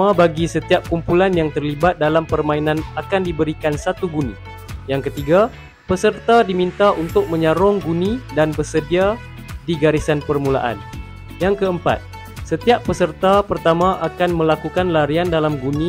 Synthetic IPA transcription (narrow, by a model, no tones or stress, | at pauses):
abaɡisət̪iap̚kumpulanjaŋt̪ərlibat̪̚dalampərmãinanakandibəɾikansat̪uɡunĩ | jaŋkət̪iɡa | pəsərt̪adimint̪aʔunt̪ʊk̚mə̃ɲaɾɔŋɡunĩdanbərsədia | diɡaɾisanpərmula̰ʔa̰n | jaŋkəəmpa̰t̪̚ | sət̪iappːəsərt̪apərt̪amãʔakanmə̃lakukanlaɾiandalamɡunĩ